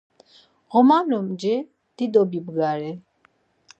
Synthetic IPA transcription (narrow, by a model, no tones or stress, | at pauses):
ɣɔmamnɔmd͡ʒɛ | d̪̥id̪ɔbibɡaɾɛ